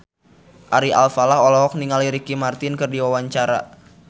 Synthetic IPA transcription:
ʔaɾiʔalfalaɦolɔɦɔk̚niŋaliɾikimart̪ɪnkɨrdiwawaɲt͡ʃaɾa̰

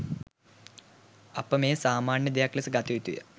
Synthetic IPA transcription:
ɐpːɐmeːsaːmaːɳjɐd̪ijaːklɐsɨɡat̪ːiʋit̪ːujɐ̰

